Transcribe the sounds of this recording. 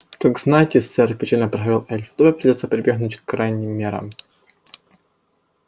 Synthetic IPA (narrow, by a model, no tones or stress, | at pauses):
t̪oɡznajtʲɪsɛɾʲpʲɪt͡ɕalʲnəpɾɐxɐvʲilˠɛlʲft̪oɾəpɾʲɪdʲotsəpɾʲɪbʲjeɣnʊtʲkɾajnʲɪmʲːeɾə̰m